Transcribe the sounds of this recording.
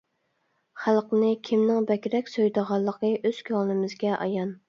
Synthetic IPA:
χælˠqənɨkʲʰimnɪŋbɛkʲɾɛkʲsojd̪əʁɑlˠːəqʰəʔøz̥kʲʰɑlnɨmɪzɡʲɛʔɑ̰jɑn

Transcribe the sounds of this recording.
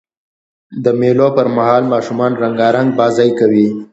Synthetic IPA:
d̪əmelopəɾmahɑlmɑʃumɑnɾaŋɡɑɾaŋɡ̚bɑzɑjkawi

